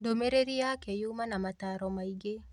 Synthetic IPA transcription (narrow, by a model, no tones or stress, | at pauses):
domeɾeɾijakejumanamataɾɔmaiɡe